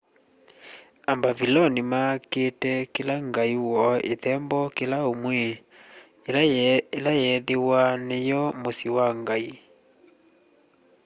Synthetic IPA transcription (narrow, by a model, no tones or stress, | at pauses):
ambavilɔnimaketɛkelaŋɡaiwɔḛðɛmbɔkelaomwɛ | elajɛðewanejɔmosiwaŋɡai